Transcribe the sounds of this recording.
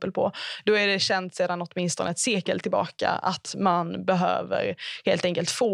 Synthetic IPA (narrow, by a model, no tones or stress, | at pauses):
pəlpʰɔd̪ɔæɖɛɕɛnt̪seːd̪anɔt̪mɪnst̪ɔnəɛt̪seːkə̰lt̪ʰːɪlbɑ̰ːka̰at̪manbɛɦø̰ːvə̰ɾheːlt̪ɛŋkəlt̪foː